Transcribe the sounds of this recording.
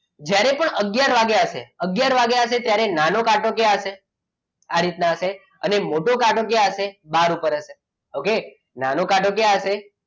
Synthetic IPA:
d͡ʒjaɾepəɳəɡjaɾʋaɡjaəʃḛəɡjaɾʋaɡjaɦəʃet̪jaɾenanokaʈʰokjaəʃe | aɾit̪naəʃe | ənemoʈokaʈʰok̬jaəʃebaɾupəɾəʃe | oke | nanokaʈʰok̬jaəʃe

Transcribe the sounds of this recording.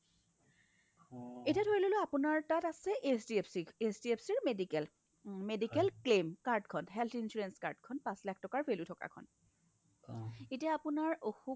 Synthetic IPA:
etiadʰʱoɹiloloapunaɹtatasɛʔesdiepsiesdiepsiɹmedikɛl | medikɛlklemkaɹdkʰɔnɦɛltʰinsuɹenska̰ɹdkʰɔnpãslak̚ʰtɔkaɹpʰelutʰɔka̰kʰɔ̰n | etijaapʊnaɹoxu

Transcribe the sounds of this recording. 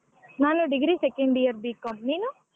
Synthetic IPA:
naːnuɖiɡɾiːsekeɳɖijɐɾbiːkomniːnu

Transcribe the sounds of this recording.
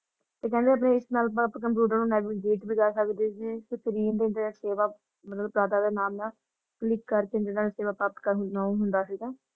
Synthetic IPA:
t̪eːkɛ̃ːnd̪eːəp̬nẽːɪsnaːləpãpːkəmp̬juːɖəɾnũːnɛːʋiɡeːʈbiːkəsəkd̪eːsiːsək̪ɾiːnd̪eːɪd̪seːʋaː | mət̪ləbpɾaːd̪aːd̪eːnaːmnãː | kəlɪkːəɾkẽːd͡ʒeːɽaːnːseːʋaːpɾaːp̚t̪kəɾɦnaɦʊnd̪aːsiːɡaː

